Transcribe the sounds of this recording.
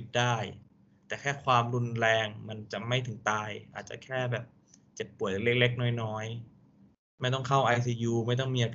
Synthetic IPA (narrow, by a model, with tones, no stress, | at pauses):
t̪̚daː˥˩j | t̪ɛː˨˩kʰɛː˥˩kʰwaː˧mɾu˧nɾɛː˧ŋma˧nt͡ɕa˨˩ma˥˩jt̪ʰɯ˨˩˦ŋt̪aː˧jʔaː˨˩t̪̚t͡ɕa̰˨˩kʰɛː˥˩bɛː˨˩p̚ | t͡ɕe˨˩t̪̚pːu˨˦əjle˥˩k̚le˦˥˩k̚nɔː˦˥˩jnɔː˦˥j | ma˥˩jt̪̬ɔ˥˩ŋkʰa˥˩wʔa˧jsiː˧juː˧ma˥˩jt̪̬ɔ˥˩ŋmiː˧ʔa˧pʰ